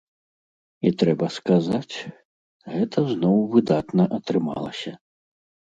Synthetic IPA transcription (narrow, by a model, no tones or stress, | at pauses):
it̪ɾɛbɐskazat͡sʲ | ɣɛt̪ʰɐznɔwvɨd̪at̪nɐʔɐt̪ɾɨma̰lˠɐ̰sʲɐ